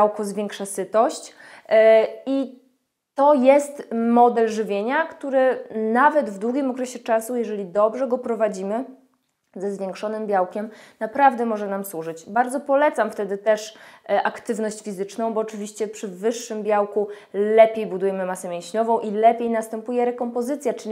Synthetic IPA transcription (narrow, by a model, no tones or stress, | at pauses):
awkɔzvʲjɛŋkʂasɘt̪ɔɕt͡ɕ | i | t̪ɔjɛst̪mɔd̪ɛlʐɘvʲjeɲakt̪uɾɘnavɛd̪vd̪wuɡʲimɔkɾɛɕɛt͡ʂasujɛʐɛlʲid̪ɔbʐɛɡɔpɾɔvad͡ʑimɘ | zɛzvʲjeŋkʂɔnɘmbʲjawkʲɛmnapɾavd̪ɛmɔʐɛnamswuʐɘt͡ɕbaɾd̪zɔpɔlɛt̪samft̪ɛd̪ɘt̪ɛʂʔakt̪ɘvn̪ɔɕt͡ɕfʲizɘt͡ʂnɔ̃w̃bɔːt͡ʂɘvʲiɕt͡ɕɛpʂɘvɘʂːɘmbʲjawku | lɛpʲjejbud̪ujɛmɘmasɛmʲjẽw̃ɕɲɔvɔ̃w̃ʔilɛpʲjejnast̪ɛmpujɛɾɛkɔmpɔzɘt̪sʲjat͡ʂɘ